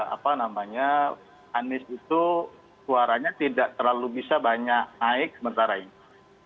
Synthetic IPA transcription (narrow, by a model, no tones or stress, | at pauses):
a̰panamaɲa | anɪsit̪u | suaɾaɲat̪idaʔt̪ərlalubisabaɲak̚naɪk̚səmənt̪aɾainii